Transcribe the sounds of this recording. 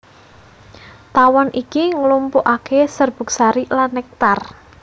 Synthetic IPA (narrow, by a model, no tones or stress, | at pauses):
t̪awɔnʔikiŋəlumpuʔakesərb̥ṳksaɾilanːɛk̚t̪ar